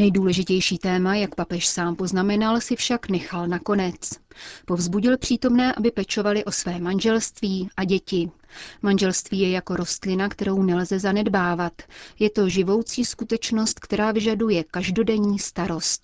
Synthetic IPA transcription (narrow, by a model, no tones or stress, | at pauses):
nɛjduːlɛʒɪcɛjʃiːt̪ɛːmajakpapɛʃsaːmpo̞znamɛnalsɪfʃaknɛxalnako̞nɛt͡spo̞vzbuɟɪlpr̝̥iːt̪o̞mnɛːʔabɪpɛt͡ʃo̞valɪʔo̞svɛːmanʒɛlst̪viːʔaɟɛcɪ | manʒɛlst̪viːjɛjako̞ɾo̞st̪lɪnakt̪ɛɾo̞wnɛlzɛzanɛdbaːvat̪jɛt̪o̞ʒɪvo̞wt͡siːskut̪ɛt͡ʃno̞st̪kt̪ɛɾaːvɪʒadujɛkaʒdo̞dɛɲiːst̪aɾo̞st̪̚